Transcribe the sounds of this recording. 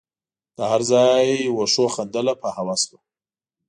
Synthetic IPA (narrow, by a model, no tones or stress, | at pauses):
d̪̥əhaɾzɑjwoʃoxand̪əlapəhawaswa